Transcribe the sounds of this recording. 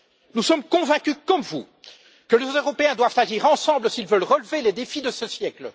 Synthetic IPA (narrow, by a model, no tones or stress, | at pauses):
nusɔmkɔ̃vɛ̃kʲykɔmvu | kəlezozøʁɔpeɛ̃d̪wav̥t̪aʒiːʁɑ̃sɑ̃bləsilvəlʁəlveled̪efid̪əsəsjɛklə